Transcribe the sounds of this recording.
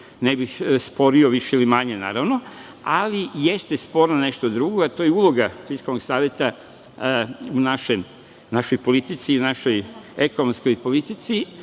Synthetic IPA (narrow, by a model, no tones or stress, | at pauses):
nebixspo̞ɾioʋiʃeilimaɲena̰ːɾaʋno | alije̞st̪espo̞ɾnoneʃt̪od̪ɾuɡoat̪o̞ːjeulo̞ɡasiskonoɡsaːʋjet̪a | unaʃe | naʃojpolit̪it̪siunaʃo̞jekonomsko̞jpo̞lit̪it̪si